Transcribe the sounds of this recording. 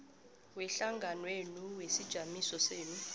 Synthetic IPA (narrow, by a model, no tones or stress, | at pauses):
wɛɬaŋɡʱanwenuwesid̥ʒ̥ʱamisɔseːnu